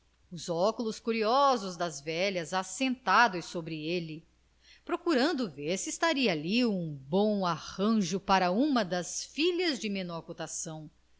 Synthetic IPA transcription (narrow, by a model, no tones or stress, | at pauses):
ʊzɔkulʊskuɾiɔzʊzd̪ɐzvɛʎɐzasẽnt̪ad̪ʊjsobɾielɪ | pɾokuɾɐ̃nd̪ʊveɾsiːst̪aɾiɐːliũbõw̃aʁɐ̃ʒʊpaɾɐũmɐd̪ɐsfiʎɐzd͡ʒɪmenɔɾkot̪asɐ̃w̃